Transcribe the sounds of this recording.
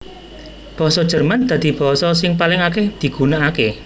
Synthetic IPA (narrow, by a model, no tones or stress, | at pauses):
b̥ɔ̤sɔd̥ʒ̥ə̤rmand̪̥a̤d̪̥i̤b̥ɔ̤sɔsɪŋpalɪŋakehd̪̥i̤ɡ̥ṳnaʔake